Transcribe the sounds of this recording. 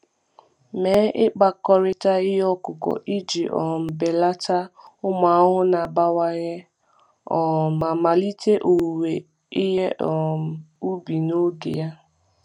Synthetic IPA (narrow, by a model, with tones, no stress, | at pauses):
me˨˦ʔɪ˦k͡pa˨kɔ˦ɾɪ˦ta˦ɪ˦ɦɔ˦kʊ˨kɔ̰˨ʔi˦d͡ʒi˨ʔɔ̰˨m̩˨be˨la˦ta˦ʊ˦ma˨˦ɦʊ˦na˨ba˦wa˦ɣe˦ | ɔ˨ma˨ma˨li˦tʰe˦ʔo˨we˨ | i˦ɦe˦ʔɔ˨m̩˨u˦bi˨no˦ɡḛ˨ja˦